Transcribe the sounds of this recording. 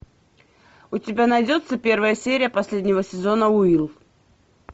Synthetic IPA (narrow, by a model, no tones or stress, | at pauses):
ʊtʲɪbʲanɐjdʲo̞t̪səpʲe̞rvəjəsʲeɾʲɪjəpɐsʲlʲedʲnʲɪvəsʲɪzo̞nəʊilˠ